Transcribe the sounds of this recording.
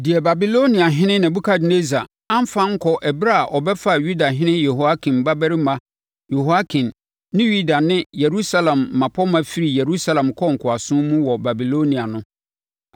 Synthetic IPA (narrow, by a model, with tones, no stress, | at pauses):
dɪ˨ɛ˨ba˨bi˨lo˦nĩ˨a˨ɦɪ̃˦nɪ̃˦nã˨bu˦kʰa˦dne˦za˨ | ã˦m˦fã˦ŋ̩˦kʰɔ˨ʔɛ˨bɾa˦a˨ʔɔ˨bɛ˦fa˦˨ɥu˦da˨ɦɪ̃˦nɪ̃˦jɛ˨ho˨a˦kʰĩ˨mba˦bɛ˦ɾi˦mã˦ | jɛ˨ho˨a˦kʰĩ˨nː | ɪ̃˦ju˦da˨nɪ̃˦je˨ɾu˦sa˦lɛ̃˨mːã˨pʰɔ˦mã˦fi˦ɾi˨je˨ɾu˦sa˦lɛ̃˨mkʰɔ˦ŋ̩˨kʰʊ˨a˨sʊ̃˦mũ˦wɔ˨ba˨bi˨lo˦nĩ˨a˨nʊ̃˦